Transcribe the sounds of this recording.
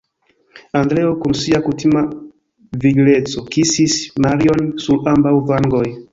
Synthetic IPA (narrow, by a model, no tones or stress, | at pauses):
andɾe̞okunsiakutima | viɡle̞t͡so̞kisismaɾio̞nsuɾambawvaŋɡoj